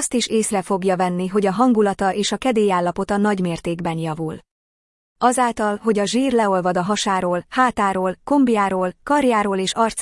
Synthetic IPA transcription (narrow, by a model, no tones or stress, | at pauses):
st̪iʃeːsrɛfo̞ɡjɒvɛnːiɦo̞ɟɒɦɒŋɡulɒt̪ɒʔeːʃɒkɛd̪eːjaːlːɒpo̞t̪ɒnɒɟmeːrt̪eːɡbɛnjɒvul | ɒzaːlt̪ɒlɦo̞ɟɒʒiːrlɛo̞lvɒd̪ɒɦɒʃaːɾoːlhaːt̪aːɾoːlko̞mbiaːɾoːlkɒrjaːɾoːleːʃɒrt̪s